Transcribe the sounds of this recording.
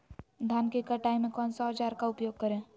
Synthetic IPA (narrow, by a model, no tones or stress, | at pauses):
d̪ʱaːnkekəʈaːimẽkɔːnsɔt͡ʃaːɾkaʊpjoːɡ̚kəɾẽː